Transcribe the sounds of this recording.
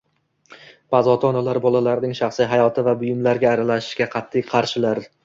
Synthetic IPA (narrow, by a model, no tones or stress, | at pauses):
pʰazɒt̪ʰɒnalaɾbɒlˠalaɾnɪŋʃɑχsɪjɦajɒt̪ʰɪvabʊjɪmlaɾɡʲaːɾalaʃɪ̥ʃɡʲaqʰɑt̪ʰːɪjqʰɑɾʃɪlaɾ